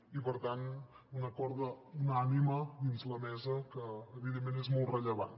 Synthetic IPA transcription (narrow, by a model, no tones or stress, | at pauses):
ipəɾt̪an | unəkɔɾðəunaniməðinzləmɛzəkəːβiðemːenezmɔlˠrəʎəβa̰n